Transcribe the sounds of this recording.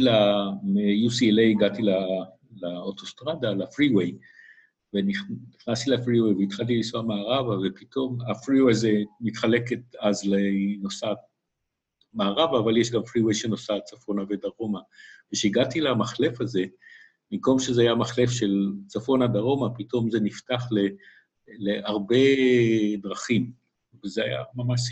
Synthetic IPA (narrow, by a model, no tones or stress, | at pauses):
lamejusielejiɡatila | laoto̞st̪ʁadalafʁiwe̞j | veniχniχnast̪ilafʁiwe̞jveit̪χalt̬ilisoamaːʁavave̞pito̞mafʁiwezemitχale̞ket̪azleno̞sa | maːʁavaːvaljeʃɡamfʁiwejʃeno̞sat͡safo̞naved̪aʁo̞maveʃeiɡatilamaχle̞faze̞ | mimko̞mʃezeajamaχle̞fʃe̞lt͡safo̞nadaʁo̞mapito̞mze̞niftaχle | leaʁbe̞ | d̪ʁaχim | vezeaja̰mamaʃ